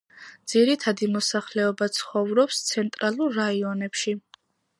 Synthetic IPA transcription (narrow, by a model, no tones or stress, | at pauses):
d̪z̥iɾit̪ʰad̪imɔsaχlɛɔbat̪sʰχɔvɾɔpst̪sʰɛnt̪ʼɾalˠuɾːaiɔnɛpʃi